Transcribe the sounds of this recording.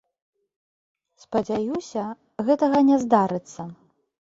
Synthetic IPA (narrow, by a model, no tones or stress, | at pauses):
spɐd͡zʲajusʲɐ | ɣɛt̪ɐɣɐnʲɛzd̪aɾɨt̪sːɐ